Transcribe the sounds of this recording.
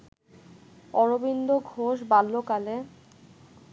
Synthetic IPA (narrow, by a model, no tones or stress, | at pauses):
ɔɾobind̪oɡʱoʃbalːokale